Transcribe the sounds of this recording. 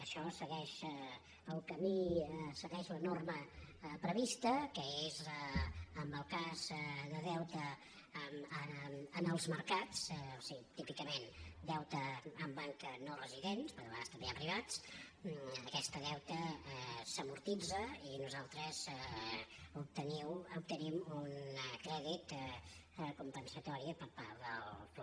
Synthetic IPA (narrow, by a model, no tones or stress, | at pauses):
əʃɔsəɣɛʃ | əlˠkəmisəɣɛʃlənorməpɾəβist̪əkəezəəmbəlˠkazðəðɛwt̪ə | məənəlˠzməɾkat͡sosiɣit̪ipikəmend̪ɛwt̪əːmbaŋknorəziðenspəɾðəβast̪əmbeəpɾiβat͡s | əkɛst̪əðɛwt̪əsəmuɾt̪id͡zəinuzalˠt̪ɾəz | up̚t̪əniwup̚t̪ənimunkɾɛðit̪ | kumpənsət̪ɔɾiəpəɾpaɾðəl